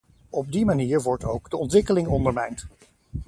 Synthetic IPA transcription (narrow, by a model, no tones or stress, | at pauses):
ɔb̚dimaniːɹʋɔɹtowɡdəɔntʋɪkəlɪŋɔndəɹmɛjnt